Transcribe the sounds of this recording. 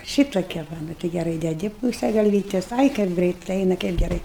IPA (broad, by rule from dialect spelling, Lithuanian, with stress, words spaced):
ˈʃʲiːtoːkʲɛ ˈʋɐ ˈnʊ tɐɪ ɡʲɛˈrɐɪ dʲɛˈdʲɪ ˈpuːsʲɛ ɡɐlʲˈʋʲiːtʲɛs ˈɐɪ kɐɪp ˈɡrɜɪt ˈɐɪnɐ kɐɪp ɡʲɛˈrɐɪ